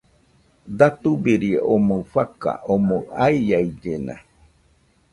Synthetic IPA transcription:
d̪at̪ubeɾiʔomofaka̰ʔomõaijaid͡ʒenã̰

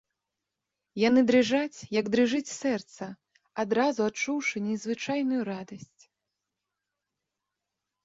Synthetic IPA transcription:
janɨd̪ɾɨʐat͡sʲjɐɡd̪ɾɨʐɨt͡sʲsɛrt̪sɐ | ad̪ɾazuatt͡ʂːuwʂɨnʲɛzvɨt͡ʂajnujuɾad̪ɐsʲt͡sʲ

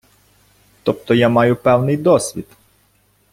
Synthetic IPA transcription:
t̪ɔp̚t̪ɔjamɑjʊpɛwnɪjd̪ɔsʲʋʲḭd̪

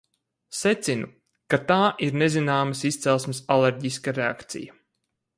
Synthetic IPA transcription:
set̪sinu | kat̪aːʔiɾnezinaːməsist̪sɛlˠsmɪsaleɾɟiskaɾea̰kt̪sḭja

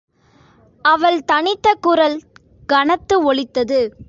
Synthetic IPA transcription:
ɐʋɐɭt̪ɐɳɪt̪ːɐkːuːɾɐl | ɡɐnɐt̪ːɯɔɭɪt̪ːɐðɯ

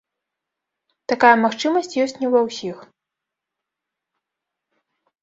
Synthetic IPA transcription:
t̪akajɐmaxt͡ʂɨmɐsʲt͡sʲjɔsʲt͡sʲnʲɛvɐwsʲix

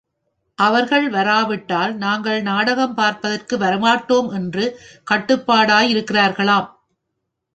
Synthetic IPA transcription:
ʔɐʋɐɾɣɐɭʋɐɾaːʋɪʈːaːlnaːŋɡɐɭnaːɽɐɣɐmpaːɾpɐðɐrkɯʋɐɾɐmaːʈːoːmɛndrɯkɐʈːɯpːaːɽaːjɪɾɯkːɪraːɾɣɐɭaːm

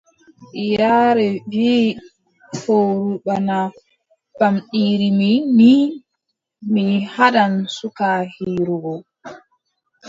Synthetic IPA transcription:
jaɾɛvi | foɾuɓana | bamɗiːɾimini | mihaɗansukahiːɾuɡɔ

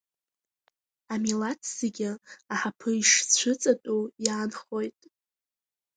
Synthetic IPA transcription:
amilatʰz̥eɡʲɪaħapʰɨiʂt͡ɕʷʰɨt͡sʼatʼujaːnχojtʼ

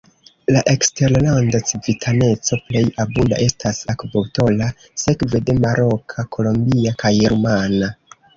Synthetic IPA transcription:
laʔe̞kste̞ɾlandat͡sivitʰane̞t͡so̞ple̞jabunda̰ʔe̞stʰasakboto̞la | se̞kve̞de̞maɾʔo̞kʰakʰo̞lo̞mbiakajɾumana

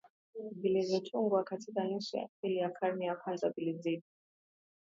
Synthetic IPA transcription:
bilizitʰʼuŋɡwakʰatʰikanisa̰ilijakʰarnijakʰwand͡zabilid͡zidi

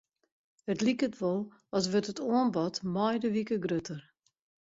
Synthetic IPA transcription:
ətlikətʋɔlˠ | ɔs̬ʋøtətʰoənbɔtmɔjdəʋikəɡrøtʰər

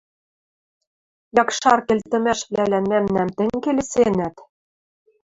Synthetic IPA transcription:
jɑkʃɑrkelʲt̪ɘ̆mæʃβlælænmæmnæmt̪ɘ̆ŋʲkelesenæt̪

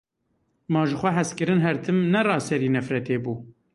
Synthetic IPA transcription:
mɑːʒɨxʷɛɦɛskɨɾɨnɦɛɾt̪ʰɨmnɛrɑːsɛɾiːnɛfɾɛt̪eːbuː

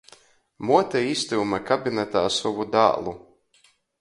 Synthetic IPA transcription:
muɔt̪ʲɛist̪umakabʲinɛt̪aːsɔvud̪a̰ːlˠu

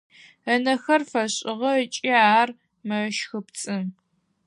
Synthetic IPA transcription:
ɐnɐxɐrfɐɕʼɪʁɐt͡ʃʼiaːr | mɨʃxɨpt͡sʼɨm

